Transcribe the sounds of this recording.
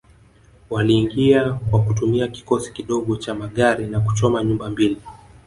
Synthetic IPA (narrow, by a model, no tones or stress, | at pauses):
waliːŋɡiakwakutumiaki̥kɔsi̥kiɗɔɠɔt͡ʃamaɠaɾinaku̥t͡ʃɔmaɲumbambili